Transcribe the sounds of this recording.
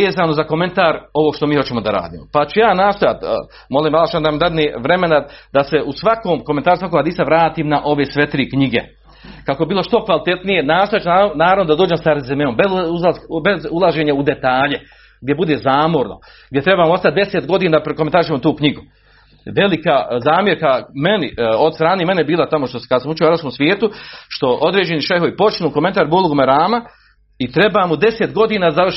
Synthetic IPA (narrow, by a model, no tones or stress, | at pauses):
eːzaːno̞zako̞me̞nt̪aːɾo̞ʋoɡʃt̪omiːhot͡ɕe̞mod̪aɾa̰ːd̪ḭːmopat͡ʃujaːnaːst̪ojat̪ː | mo̞liːmalˠat͡ʃuad̪aamd̪ad̪niʋɾeme̞nad̪aseʔusʋakoːmkoment̪aːɾusʋakoɡad̪iːsaʋɾaːt̪iːmnaʔo̞ʋesʋet̪ɾiːkɲiɡḛ | kakoebiːlˠo̞ʃt̪o̞kʋalit̪et̪nije̞naːsoat͡ʃunanaːɾavʋnod̪ad̪oːd͡ʒe̞msaɾezemeombeulabezulˠaʒe̞ːɲaud̪e̞t̪aːʎe̞ | ɡd̪ʲje̞bud̪e̞ːzaːmo̞ɾno̰ | ɡ̚d̪ʲje̞t̪ɾe̞baːmoo̞st̪at̪̚d̪e̞set̪ɡo̞d̪iːnad̪apɾekoment̪aɾiʃemot̪uːkɲiɡu | ʋe̞likaːzaːmje̞ɾkame̞niod̪st̪ɾaːneːme̞nebiːlˠat̪amoʃt̪oskad̪asamut͡ʃeoaɾapskomsʋjeːt̪uʃt̪o̞ʔo̞d̪ɾeːd͡ʑe̞niʃeɦo̞ipo̞t͡ʃinuːkoment̪aːɾbolˠuɡomeɾaːma | it̪ɾe̞baːmud̪e̞set̪ɡo̞d̪iːnaːd̪azaʋr